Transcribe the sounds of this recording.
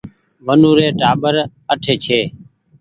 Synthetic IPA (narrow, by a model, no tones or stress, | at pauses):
ʋənuːɾeːʈaːɓəɾ | əʈʰeːt͡ʃʰeː